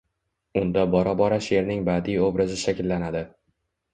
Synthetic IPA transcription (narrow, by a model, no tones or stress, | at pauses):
ʊnd̪abɒɾabɒɾaʃe̞ɾnɪŋbad̪ijobɾɪzɪʃakʲɪlːanad̪ɪ